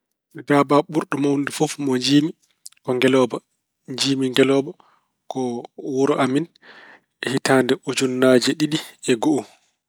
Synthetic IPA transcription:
dabaɓuɾɗɔmawndifɔfmɔɲd͡ʒiːmi | kɔŋɡɛlɔːba | ɲd͡ʒiːmiŋɡɛlɔːba | kɔwɔɾɔʔamin | ɛhitaːndɛʔud͡ʒunːaːd͡ʒɛɗiɗiɛɡoʔu

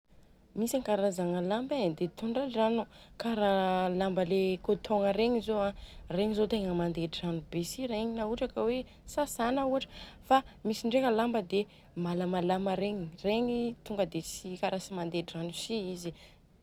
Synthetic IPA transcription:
misaŋkaɾazaŋəlambed̪et̪ʰuɳɖ͡ʐad͡ʒanukaɾalambəlekot̪ʰoŋəɾeɲizoareɲizot̪eŋəmand̪eʈ͡ʂiranubesiɾeɲinauʈ͡ʂakəwe | sasanəuaʈ͡ʂə̥famisiɳɖ͡ʐeŋəlambəd̪e | malamalaməɾeɲireɲit̪uŋɡəd̪esikaɾasimand̪eʈ͡ʂiranusiizi

